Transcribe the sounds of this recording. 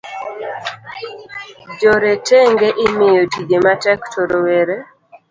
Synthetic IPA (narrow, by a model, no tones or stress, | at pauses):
d͡ʒoɾetɛŋɡeʔɪmɪjotiɡematɛktʰoɾowɛɾe